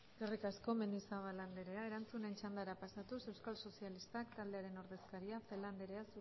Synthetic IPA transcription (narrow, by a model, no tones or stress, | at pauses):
ɡ̥erikasko̞menisaβaland̪eɾe̞ae̞ɾant͡sune̞nt͡ʃand̪aɾapasat̪use̞wskalso̞sialist̪akt̪ald̪e̞aɾe̞no̞ɾðe̞skaɾiafe̞land̪e̞ɾe̞as